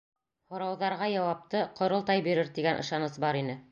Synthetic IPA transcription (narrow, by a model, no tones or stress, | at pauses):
hŏɾɑwðɑɾʁɑjɑwɑp̚t̪ɤqŏɾɤlˠt̪ɑjbiɾɘɾt̪iɡænʔɤ̰̆ʃɑnɤsbɑɾinɘ